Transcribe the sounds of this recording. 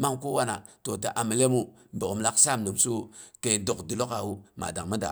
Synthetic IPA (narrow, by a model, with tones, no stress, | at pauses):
ma˦ŋku˦wa˦na̰˨to˨ta˨ʔa˨mi˨le˦mu˦ | bə˨u˨mla˦ksa˦˨mnu˨msu˦ke˨do˨kdu˨lo˦ka˨wu˦ma̰˨da˨ŋmə˦da̰˨